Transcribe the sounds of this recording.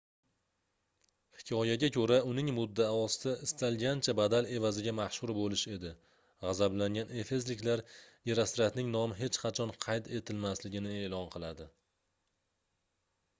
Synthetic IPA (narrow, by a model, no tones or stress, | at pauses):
hɪ̥kʲʰɒjaɡʲakʲʰɵɾaʊnɪŋmʊd̪ːaːɒst̪aʔɪst̪ʰalɡʲant͡ʃʰabad̪ale̞vazɪɡʲamaʃhʊɾbolɪʃe̞d̪ɪ | ʁɑzablaŋɡʲane̞fe̞zlɪkʲlaɾjeɾast̪ɾat̪nɪŋnɒmɪɦe̞t͡ʃqʰɑt͡ʃʰɒnqʰɑjt̪ʰe̞t̪ʰɪlmaslɪɡʲɪnɪe̞lɒnqʰɨlˠad̪ɪ